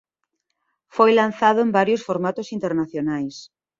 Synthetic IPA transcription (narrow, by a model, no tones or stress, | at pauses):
fojlan̟θaðʊembaɾjosfoɾmat̪osint̪eɾnaθjonajs